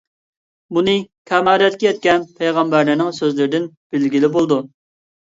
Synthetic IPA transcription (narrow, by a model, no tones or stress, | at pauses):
munɨkʲʰɛmɑːɾɛt̪kʲijɛt̪̚kʲɛnpʰejʁɑmbæɾnɪɾnɪŋsøzlɪɾɪd̪ɪn | b̥ɪlɡʲilɪbolˠd̪u